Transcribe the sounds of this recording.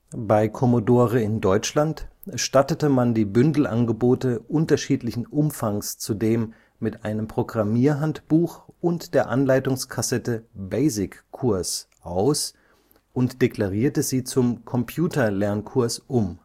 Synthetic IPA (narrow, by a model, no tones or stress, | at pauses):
baɪkʰɔmodoːʁəɪndɔʏt͡ʃlantʃtatətəmandiːbʏndl̩ʔa̰nɡəboːtəʔʊntɐʃiːtlɪçn̩ʔʊmfaŋst͡sudeːmː | ɪtʔaɪnəmpʁ̥oɡʁamiːɐɦantb̥uːxʔʊntd̥eːɐʔanlaɪtʊŋskʰasɛtəbeɪzɪkʰːʊɐs | ʔaʊs | ʔʊntd̥ekl̥aʁiːɐtəziːt͡sʊmkʰɔmpʰjuːtɐlɛɐnkʰʊɐsʔʊm